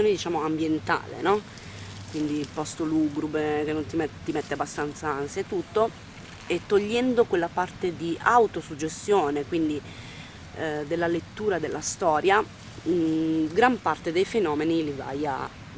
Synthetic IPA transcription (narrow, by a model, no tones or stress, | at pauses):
oːned̪it͡ʃaːmoambjent̪a̰ːlḛnɔ | kwind̪ipɔst̪oluɡɾubek̟enːont̪imt̪imet̪ːeabːast̪ant̪saanset̪ːut̪ːo | et̪ːoʎːɛnd̪okwelːapart̪ed̪iawt̪osud͡ʒːest̪joːnekwind̪i | d̪elːalet̪ːuːɾad̪elːast̪ɔːɾja | ɡɾampart̪ed̪ejfenɔːmeniliva̰ja̰